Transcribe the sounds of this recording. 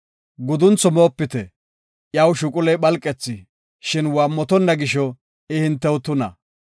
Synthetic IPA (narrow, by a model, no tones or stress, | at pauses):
ɡʊd̪ʊnt͡sɔmoːpːɪt̪ɛ | ʔjɐwʃʊkʼʊlɛjɓɐlkʼːɛt͡sːɪ | ʃɪnwaːmːɔt̪ɔnːɐɡɪʃɔ | ɛhɪnt̪ːɛwʊt̪ʊnɐ̰